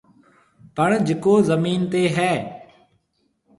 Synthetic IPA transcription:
pəɳd͡ʒɪkoːzəmiːnt̪eːɦɛː

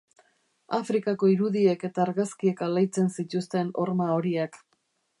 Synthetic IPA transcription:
afɾikako̞iɾuðie̞ke̞t̪aːɾɣaskie̞kalajt͡se̞nsit̪ust̪e̞no̞̰ɾmao̞ɾiak

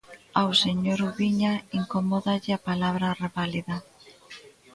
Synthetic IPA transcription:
awseɲoɾuβiɲaiŋkomoðaʎɪapalaβɾareβaliða

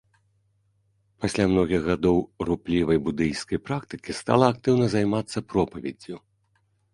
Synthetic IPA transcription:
pasʲlʲamnɔɣʲiɣɣːad̪ɔwruplʲivɐjbud̪ɨjskɐjpɾakt̪ɨ̥kʲist̪a̰lˠɐːk̚t̪ɨwnɐzajmat̪sːɐpɾɔpɐvʲɛ̰d͡zʲːu

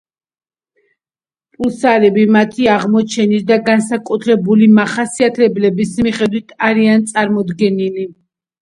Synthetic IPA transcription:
pʼulsaɾɛbimat̪ʰiaʁmɔt͡ʃʰɛnisd̪aɡansakʼut̪ʰɾɛbulimaχasiat̪ʰɛblɛbismiχɛd̪wit̪ʰaɾiant̪sʼaɾmɔd̪ɡɛnili

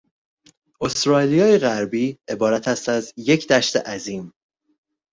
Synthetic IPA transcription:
ʔo̞st̪ɾɒːlijɒːjeɣæɾbiːe̞bɒːɾæt̪ʰæst̪æzje̞cʰd̪æʃt̪eʔæziːm

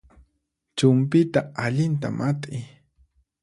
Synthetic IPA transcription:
t͡ʃʊmpɪt̪aaʎɪnt̪a̰mʔat̪ʼɪ

